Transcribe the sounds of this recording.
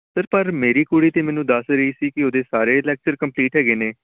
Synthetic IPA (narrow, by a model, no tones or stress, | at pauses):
səɾpəɾmeːɾiːkuːɽiːt̪eːmɛ̃ːnũːd̪əsɾəiːsiːkɪoːd̪eːsaːɾeːlɛːk̚t͡ʃəɾkəmpliːʈɦɛːɡeːneː